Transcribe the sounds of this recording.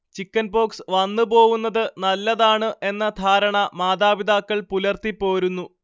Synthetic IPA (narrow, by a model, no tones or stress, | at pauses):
t͡ɕikːɐnbo̞ːksʋɐnːɨbo̞ːɣunːɐðɨnɐlːɐðaːɳɨʔe̞nːɐd̪ʱaːɾɐɳɐmaːd̪aːbid̪aːkːɐɭpulɐrt̪ipːo̞ːɾunːu